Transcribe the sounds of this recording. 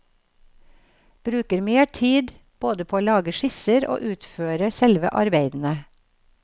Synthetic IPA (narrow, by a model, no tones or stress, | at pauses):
b̥ɾʉːkəɾmeːʈʰiːd̪ | b̥oːd̪əpʰoːoːlɑːɡəʃɪsəɾʔo̰ːʔʉːt̪føːɾəsɛlʋə̰ʔɑɾbeɪd̪n̩ə